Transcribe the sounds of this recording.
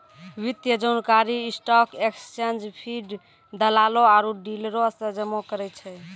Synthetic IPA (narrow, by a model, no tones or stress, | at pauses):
ʋit̪jəd͡ʒonkaɾiːsʈɔkekst͡ʃend͡ʒpʰiɖ | d̪əlaloaɾuɖilɾosəd͡ʒəmokəɾɛt͡ʃʰɛ